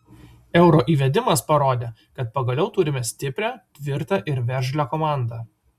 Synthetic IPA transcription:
ɛʊɾoːʔiːʋʲɛd̪ʲɪmɐspɐɾoːd̪ʲeːkɐt̪̚pɐɡɐlʲɛʊt̪ʊɾʲɪmʲɛsʲt̪ʲɪpʲɾʲæt̪ʲʋʲɪɾt̪ɐʔɪɾʋʲɛɾʲʒʲlʲækoːmɑˑnd̪ɑ

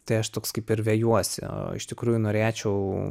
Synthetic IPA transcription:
t̪ɐɪɐʃt̪oːkskɐɪpɪɾʋʲeːjuɔsʲɪ̰ɪ̰ʃt̪ʲɪkɾuːjunoːɾʲæːt͡ʃʲɛʊ

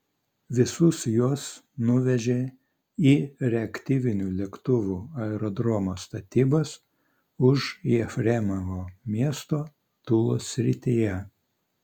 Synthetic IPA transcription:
ʋʲɪsʊsjuɔs | nʊʋʲɛʒʲeː | iːɾʲɛɐkt̪ʲiːʋʲɪnʲuːlʲɛkt̪ʊʋuːɐɛɾɔd̪ɾɔmost̪ɐt̪ʲiːbɐs | ʊʒʃɛfʲɾʲɛmɐʋoːmʲiɛst̪oː | t̪ʊlˠoːsʲɾʲɪt̪ʲijɛ

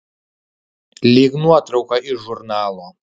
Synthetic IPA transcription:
liɡnuatʼrokʷʰʼaʔiʒurnaːla

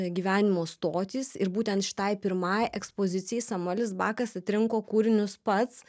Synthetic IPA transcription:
ɡʲiːʋʲæːnʲɪmoːst̪oːt̪ʲiːsɪɾbuːt̪ʲɛnt̪ʃʲɪ̥t̪ɐɪpʲɪɾmɑjʔɛkspoːzʲɪt̪sʲɪjɛɪsɐmʊɛlʲɪsbɑːkɐsɐt̪ʲɾʲɪŋkoːkuːɾʲɪnʲʊspɐt̪s

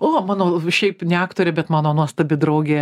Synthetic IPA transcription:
oːmɑːnoːʃʲɛɪpnʲɛɑːkt̪oːɾʲɛbʲɛt̪mɑːnoːnuɔst̪ɐbʲɪd̪ɾɐʊɡʲeː

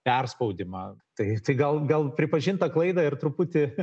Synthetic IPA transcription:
pʲɛrspɐʊd̪ʲɪmɐt̪ɐɪt̪ɐɪɡɐlˠɡɐlˠpʲɾʲɪpɐʒʲɪnt̪ɐklˠɐɪd̪ɐɪrt̪ɾʊput̪ʲɪ

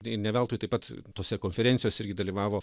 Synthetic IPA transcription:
ɪrnʲɛʋʲɛlˠt̪oːjt̪ɐɪpɐt̪t̪oːsʲɛkoːnʲfʲɛɾʲɛntsʲɪjoːsʲɪɾʲɡʲɪd̪ɐlʲiʋɑːʋoː

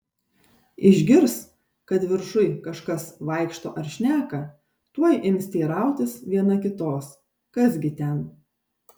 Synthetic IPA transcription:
ɪʒʲɡʲɪɾs | kɐt̪ʋʲɪɾʃʊɪkɐʃkɐsʋɐɪkʃt̪o̰ːʔɐɾʃʲnʲæːkɐ | t̪uɔjʔɪmsʲt̪ʲiːɾɑˑʊt̪ʲɪsʋʲiɛnɐkʲɪt̪oːs | kɐsɡʲɪt̪ʲɛn

